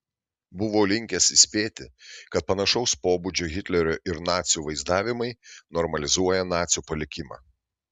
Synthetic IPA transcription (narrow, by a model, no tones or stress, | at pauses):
bʊʋoːlʲɪŋʲkʲɛsɪsʲpʲeːt̪ʲɪ̰kɐt̪̚pɐnɐʃɒʊspoːbud͡ʒʲoɣʲɪt̪ʲlʲɛɾʲoʔɪɾnɑːt̪sʲjuːʋɐɪzd̪ɑːʋʲɪmɐɪnɔɾmɐlʲɪzuɔjɛnɑːt̪sʲjuːpɐlʲɪkʲɪmɑ̰ː